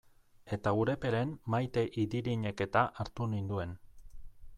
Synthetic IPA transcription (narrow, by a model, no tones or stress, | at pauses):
e̞t̪aɣuɾe̞pe̞ɾe̞mmajt̪e̞ʔiðiɾiɲe̞ke̞t̪aʔaɾt̪unind̪ue̞n